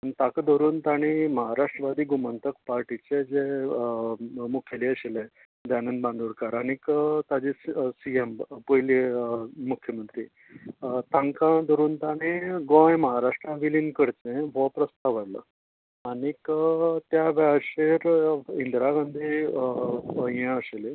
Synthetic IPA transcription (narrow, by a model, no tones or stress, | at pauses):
ait̪akd̪ʱəɾuːnt̪aɽ̃iməɦaɾaʂʈɾəʋad̪ʱiːɡumənt̪əkpaɾʈit͡ɕed͡ze | mukʰeliəɕelẽ | d̪anənbãnd̪uɾkaɾaɽ̃ikət̪ad͡ʑesiempəjlimukʰːjəmənt̪ɾḭː | t̪ãŋkãd̪əɾuːnt̪añeɡɔ̃jməɦaɾaʂʈɾãʋilinkəɾt͡sẽʋɔpɾəst̪aʋəɽlə̰ | aɽ̃ikət̪jaʋaɕeɾind̪ɾaɡãnd̪i | əẽəɕele